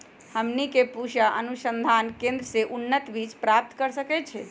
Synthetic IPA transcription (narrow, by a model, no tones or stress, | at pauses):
həmnikepuʃaʔənusənd̪ʱankẽnd̪ɾəseʔunːət̪bit͡ʃpɾap̚t̪kəɾsəkɛt͡ʃʰɛ